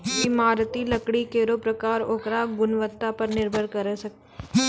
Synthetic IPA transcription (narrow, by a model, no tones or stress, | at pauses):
ɪmaːɾt̪ilɐkɽikeːɾopɾɐkaːɾoːkɾaɡʊnʋət̪ːapɐɾnɪɾbʱəɽkɐɾesɐk̚t̪